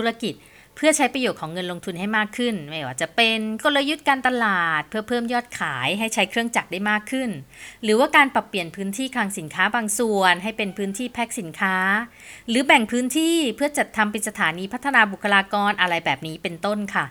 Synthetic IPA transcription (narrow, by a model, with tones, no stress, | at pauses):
t̪ʰu˦ɾa˧ki˨˩t̪̚ | pʰɯ˥˩ɐt͡ɕʰa˦˥jpɾa˧joː˨˩t̪̚ʰːŋːɤ˧nlo˧ŋt̪ʰu˧nha˥˩jmaː˥˩kʰːɯ˥˩nmaː˥˩waː˥˩t͡ɕa˨˩ʔpe˧nkɔː˥˩lɤː˧jːu˦˥t̪̚kaː˧nt̪a˧laː˨˩t̪̚pʰɯ˥˩ɐpʰɤː˥˩mjɔː˥˩t̪̚kʰaː˩˦jɦa˥˩jt͡ɕʰa˦˥jkʰɾɯ˥˩əŋt͡ɕa˨˩k̚daː˥˩jmaː˥˩kʰːɯ˥˩nɾɯː˩˦waː˥˩kaː˧npa˨˩pːli˨˩ənpʰɯː˨˦˥nt̪ʰiː˥˩kʰaː˧ŋsi˩˦nkʰaː˦˥baː˧ŋsu˨˩ənɦa˥˩jpe˧npʰɯː˦˥nt̪ʰiː˥˩pʰɛː˦˥k̚si˩˦nkʰaː˦˥ | ɾɯː˨˩˦bɛ˨˩ŋpʰɯː˦˥nt̪ʰiː˥˩pʰɯ˥˩ɐt͡ɕa˨˩t̪ʰːa˧mpa˧nsa˧t̪ʰaː˩˦niː˧pʰt̪ʰːa˧naː˧bu˨˩kʰːa˧laː˧kɔː˧nʔa˧ɾa˧jbɛː˨˩p̚niː˦˥pe˧nt̪o˥˩nkʰa˥˩